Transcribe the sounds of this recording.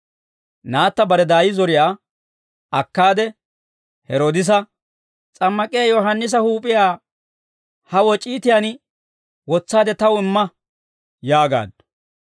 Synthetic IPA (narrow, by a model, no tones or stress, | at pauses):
naːt̪ːɐbɐɾɛd̪aːjɪzɔɾɪjaː | ɐkːaːd̪ɛ | hɛɾoːd̪ɪs̬ɐ | t͡sʼɐmːɐkʼɪjaːjɔɦɐnːɪs̬ɐhuːpʼɪjaː | hɐwɔt͡ʃʼiːt̪ɪjan | wɔt͡sːaːd̪ɛt̪ɐwɪmːɐ | jaːɡa̰ːd̪